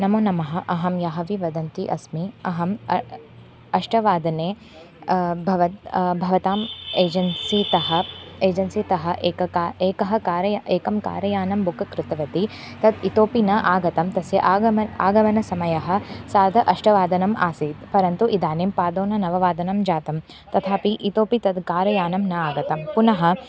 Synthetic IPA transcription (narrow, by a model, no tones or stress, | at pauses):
nɐmunɐmɐɦɐ̆ʔɐɦɐmjaɦɐʋiʋɐd̪ɐnt̪iʔɐsmiɐɦɐm | ɐʂʈɐʋaːd̪ɐneː | bʱɐʋɐbʱɐʋɐt̪aːmeːd͡ʒɐnsit̪ɐɦɐ̆eːd͡ʒɐnsit̪ɐɦɐ̆ʔeːkɐkaːeːkɐɦɐkaːɾɐjaʔeːkɐmka̰ːɾɐjaːnɐmbukɐkɾɪt̪ɐʋɐt̪i | t̪ɐd̪it̪oːpinɐʔaːɡɐt̪ɐmt̪ɐsjɐʔaːɐa̰ːɡɐʋɐnɐsɐmɐjɐɦɐ̆saːd̪ʱɐʔɐʂʈɐʋaːd̪ɐnɐma̰ːsiːt̪pɐɾɐnt̪uʔid̪aːnempaːd̪oːnɐnɐʋɐʋaːd̪ɐnɐmd͡ʒaːt̪ɐm | t̪ɐt̪ʰaːpiʔit̪oːpit̪ɐd̪kaːɾɐjaːnɐmnɐaːɡɐt̪ɐmpunɐɦɐ̆